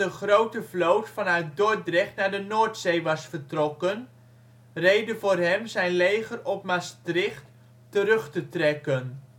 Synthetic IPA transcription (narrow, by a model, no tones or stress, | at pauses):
əχrowtəvlowtfɑnaɥt̚dɔdrɛχtnaːɹdənoːɹtsejʋɑsfəɹtrɔkən | rejdəvʊːrɦɛmzɛjnlejχərɔp̚mastrɪχt | tərɵχtətrɛkən